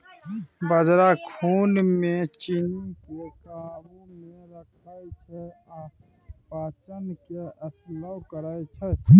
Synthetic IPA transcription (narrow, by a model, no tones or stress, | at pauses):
bəd͡ʒɾakʰuːnmẽt͡ʃinikekabumẽɾəkʰaːet͡ʃʰɛaː | paːt͡ʃənkeəslakəɾaːet͡ʃʰɛ